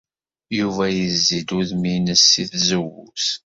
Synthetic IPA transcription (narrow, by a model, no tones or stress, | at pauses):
juvæjəzːid̪uðminəsːiθzəwṵs